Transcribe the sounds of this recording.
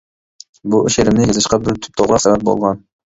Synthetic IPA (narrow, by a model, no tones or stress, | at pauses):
buʔyʃeɾɪmnɪjɑzɨʃqɑbɪɾt̪ʰy̥p̚t̪ʰoʁɑχæbɛp̚bo̰lˠʁɑn